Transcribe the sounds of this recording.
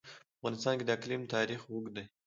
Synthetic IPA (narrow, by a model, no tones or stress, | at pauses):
pəafʁɑnɪst̪ɑnkʲed̪əklimt̪ɑɾixwuɡd̪e